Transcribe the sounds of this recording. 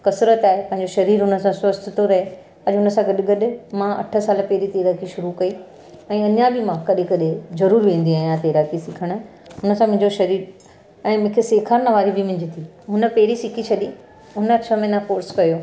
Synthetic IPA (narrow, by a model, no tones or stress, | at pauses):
kɐsɾət̪aːɦepɐ̃ɦɪ̃ɲd͡ʑoʃɐɾiːɾɦʊnə̆sãswɐst̪ɪt̪oɾɐɦe | ɐʄɦʊnə̆sãɡɐɗɪɡɐɗɪ̆mãʔɐ̰ʈʰə̆saːləpɛɦɪɾit̪eːɾakʰiʃʊɾukɐi | ɛ̃ːɐɲãbʱɪmãkɐɗekɐɗezɐɾuːɾʋẽːn̆d̪iajãt̪eːɾakʰisɪkʰəɽ̃ | ɦʊnə̆sãmʊ̃ɦɪ̃ɲd͡ʑoʃɐɾiːɾ | ɛ̃ːmʊ̃ːkʰeseːkʰəɾnəʋaːɾibʱɪmɪ̃ɲd͡ʑɪt̪ʰi | ɦʊnə̆pɐɦɪɾisɪkʰit͡ɕʰɐɗi | ʊnə̆t͡ɕʰɐmɪnakoːɾskɐjoː